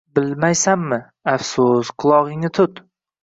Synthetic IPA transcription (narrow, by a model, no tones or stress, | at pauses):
bɪlmajsamːɪ | afsʊsqʰʊlˠɒʁɪŋnɪt̪ʰʊt̪